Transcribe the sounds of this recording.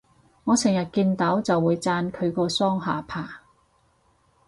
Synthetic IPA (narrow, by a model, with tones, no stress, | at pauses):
ŋɔː˨˧sʰɪ˨˩ŋjɐ˨t̚kiː˧nt̪ɐ˨˥wt͡sɐ˨wːuː˨˧jt͡saː˧nkʰɵ˨˧ɥkɔː˧sɔː˥ŋɦaː˨pʰaː˨˩